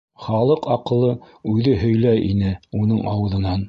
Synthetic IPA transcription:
χɑlˠɤqɑqɤ̆lˠɤ | ʉðɘɦɵ̆jlæjḭnɘunɤɴʔɑwɤ̆ðɤ̆nɑn

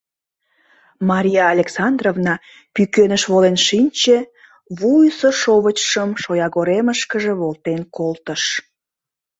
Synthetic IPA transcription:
mɑɾʲijɑːlʲeksɑnd̪rovnɑ | pykønəʃβolenʃinʲt͡ɕe | βujsəʃoβət͡ɕʃəmʃojɑɣoɾeməʃkəʒeβolt̪enkolt̪əʃ

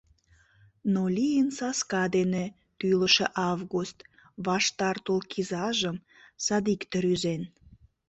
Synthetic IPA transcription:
nolʲijənsɑskɑd̪ene | t̪yləʃeʔɑvɣust̪ | βɑʃt̪ɑrt̪olkʰizɑʒəm | sɑd̪ikt̪əɾyzen

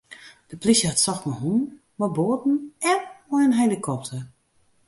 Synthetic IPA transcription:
d̥əplisjəhatsɔxtmɔjɦun | mɔboːtn̩ɛnmɔjənɦelikʰɔp̚tʰər

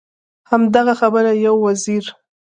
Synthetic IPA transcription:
hamd̪aɣaxabəɾajawːaziɾ

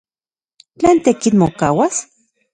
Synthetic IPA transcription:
t͡ɬeːnt̪ekinmokaːwas

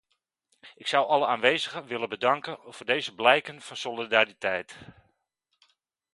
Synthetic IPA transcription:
ɪksʌwʔɑləaːnʋejzəχəʋɪləbədɑŋkənvʊːrdejzəblɛjkənv̥ɑnsolidaritɛjt

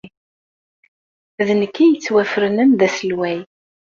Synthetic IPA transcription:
ðənəkːijət͡sːwæfəɾənænðæsəlwæj

